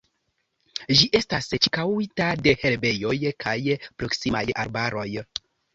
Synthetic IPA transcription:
d͡ʒiʔe̞stast͡ʃi̥kawitade̞he̞lbe̞jo̞jkʰajpɾo̞ksima̰ja̰ɾbaɾo̞j

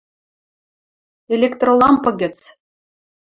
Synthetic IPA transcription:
elʲekt̪rolˠɑmpɤ̆ɣʲɘ̆t͡s

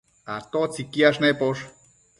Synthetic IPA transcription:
at̪ot͡sikiaʂnepoʂ

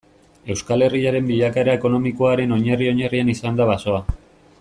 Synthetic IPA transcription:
e̞wskale̞riaɾe̞mbiʎakaeɾae̞ko̞no̞miko̞aɾe̞no̞ɲerio̞ɲerianisand̪aβaso̞a

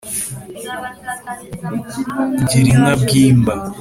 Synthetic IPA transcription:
ɟiɾinabɡiːmba

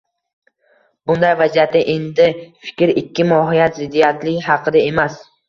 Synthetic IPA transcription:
bʊnd̪ajvazijat̪ːɪʔe̞nd̪ɪfɪ̥kʲɾɪkʲʰːɪmɒɦɪjat̪zɪd̪ːijat̪lɪɡʲɦɑqʰɨd̪ae̞mas

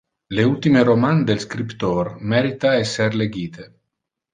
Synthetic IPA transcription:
leult̪imeɾomand̪elskɾipt̪ormɛɾit̪aɛsːerleɡiːt̪e

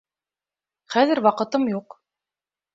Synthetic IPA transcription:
χæðɘ̆ɾwɑqɤ̆t̪ɤmjuq

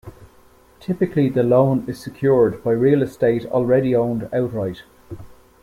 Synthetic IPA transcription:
tʰɪpɪkʰliðəlõʊ̃nɪz̥səkʰj̥ʊːɹdbaɪɹiːələsteɪtɔ̰ːlˠɹɛɾiõʊ̃ndaʊtɹaɪt

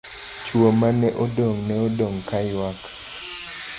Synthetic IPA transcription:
t͡ʃwomanɛʔodoŋnɛodoŋkajwak

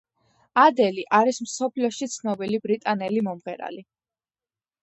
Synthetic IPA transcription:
ad̪ɛliʔaɾismsɔpʰliɔʃit̪sʰnɔbilibɾit̪ʼanɛlimɔmʁɛɾa̰li

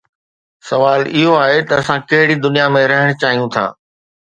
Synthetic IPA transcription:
sɐʋaːlɪɦoaːɦet̪ɐɐsãkɐɦɪɽid̪ʊnijamẽɾɐɦəɽ̃t͡ɕaːɦijũt̪ʰã̰ː

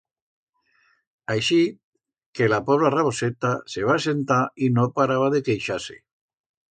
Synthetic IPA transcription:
ajʃi | kelapoβɾaraβo̞set̪aseβ̞ase̞nt̪ainopaɾaβaðe̞kejʃasḛ

